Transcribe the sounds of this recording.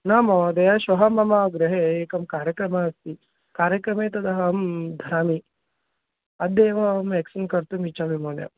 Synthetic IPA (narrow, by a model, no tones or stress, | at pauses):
naːmɐd̪ɐjaʃʋɐɦɐmɐmaːɡɾɐɦeeːkɐmkaːɾjɐkɾɐmaɐst̪i | kaːɾjɐkɾɐmeːt̪ɐd̪ɐɦɐmd̪ʱɐɾaːmi | ɐd̪ːeːʋɐmeːksɐnkɐɾt̪umit͡ʃaʋimoːnjɐ̰